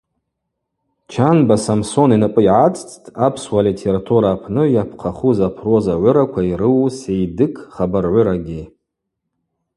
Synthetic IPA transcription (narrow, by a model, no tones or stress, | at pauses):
t͡ʃʰanbasamso̞ninɨpʼɨiʕat͡sʼt͡sʼtʼapʰswalitʰe̞ɾatʰuɾaːpʰnɨjapʰqʰaχuzapʰro̞zaʕʷʊɾakʷʰaiɾɨwsejdɨkʰʼχabarʕʷʊɾaɡʲi